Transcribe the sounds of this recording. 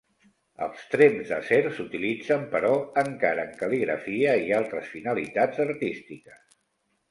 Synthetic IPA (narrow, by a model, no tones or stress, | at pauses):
ə̰lˠst̪ɾemzðə̰sɛɾsut̪ilid͡zəmpəɾɔəŋkaɾəːŋkəliɣɾə̰fiəialˠt̪ɾəsfinəlit̪ad͡zəɾt̪ist̪ikəs